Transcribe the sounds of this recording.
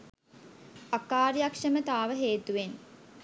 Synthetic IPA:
akːaːɾijakʂəmət̪aːʋəɦeːt̪uʋen

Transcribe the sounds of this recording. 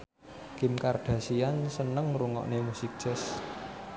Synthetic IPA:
kɪmkarɖ̥ä̤siansənəŋruŋɔ̰ʔnemusik̚ʒ̥ɛs

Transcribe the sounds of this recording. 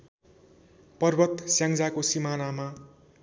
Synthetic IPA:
pʌrbʌt̪sjaŋd͡zakosimanama

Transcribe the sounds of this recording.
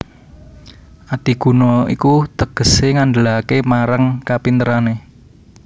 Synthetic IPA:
ʔat̪iɡ̥ṳnɔḭkut̪əɡ̥ə̤seŋaɳɖəlakemaɾaŋkapint̪əɾane

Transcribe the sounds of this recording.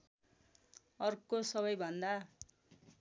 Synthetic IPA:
ʌrkosʌβʌjbʱʌnd̪a

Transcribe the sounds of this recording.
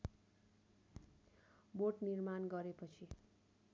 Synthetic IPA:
boʈnirmanɡʌɾepʌt͡sʰi

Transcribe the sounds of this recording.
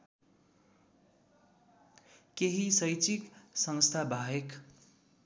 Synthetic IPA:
keɦisʌjt͡ʃiksʌ̃ŋst̪ʰabʱaɦek

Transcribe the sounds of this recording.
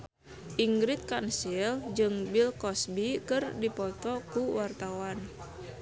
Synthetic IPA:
ʔiŋɡɾit̪̚kansild͡ʒɨŋbilkɔsbikɨrdipɔt̪ɔkuwart̪awan

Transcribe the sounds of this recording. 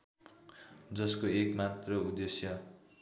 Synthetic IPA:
d͡zʌskoekmat̪rʌud̪esjʌ

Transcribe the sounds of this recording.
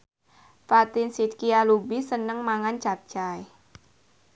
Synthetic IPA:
fat̪ɪnsit̪̚kialubisənəŋmaŋant͡ʃap̚t͡ʃaj

